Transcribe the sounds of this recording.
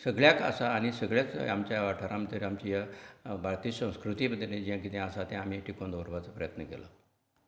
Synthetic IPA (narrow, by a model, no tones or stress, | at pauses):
səɡɭjakə̰saːñisəɡɭjat͡samt͡ɕajaʋaʈʰaɾamt̪əɾiamt͡ɕijabʱaɭt̪isə̃w̃skɾut̪iməd̪ʱːled͡ʑijãkit̪jãəsat̪ɛ̃am̤iʈikond̪oɾʋat͡səpɾəjət̪nəkela̰